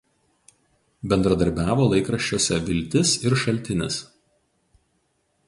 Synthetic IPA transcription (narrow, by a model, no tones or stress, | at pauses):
bʲɛnd̪ɾɐd̪ɐɾʲbʲæːʋoːlˠɐɪkɾɐʃʲt͡ʃʲoːsʲɛʋʲɪlʲt̪ʲɪsɪɾʃɐlʲt̪ʲɪnʲɪs